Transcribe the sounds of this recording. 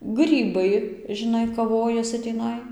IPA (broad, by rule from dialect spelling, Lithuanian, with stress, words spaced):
ˈɡrʲiːbɐɪ ʒʲɪˈnɐɪ kɐˈʋoːjɛsʲɪ tʲiːˈnɐɪ